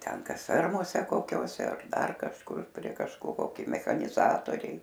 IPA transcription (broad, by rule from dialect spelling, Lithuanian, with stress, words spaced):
ˈtʲɛn ˈkɐs ˈfʲɛrmoːsʲɛ koːˈkʲoːsʲɛ ɐr ˈdɐr kɐʃˈkʊr pʲrʲiɛ kɐʃkoːˈkʲoː ˈkɐɪ mʲɛxɐnʲɪˈzɑːtoːrʲɛɪ